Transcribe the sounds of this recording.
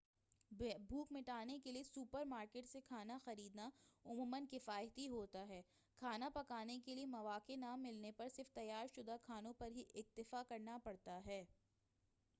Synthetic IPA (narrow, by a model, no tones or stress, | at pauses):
bʱuːkmɪʈaːnekeliesuːpəɾmaːɾkeːʈsekʰaːnaxɐɾiːd̪naʊmuːmənkɪfaːjət̪iɦoːt̪aɦɛː | kʰaːnapɐkaːnekeliemɐʋaːkenaːmːɪlnepɐɾsɪɾft̪ɐjːaːɾʃʊd̪akʰaːnõpɐɾɦiʔɪk̚t̪ɪfakɐɾnapɐɽt̪aɦɛː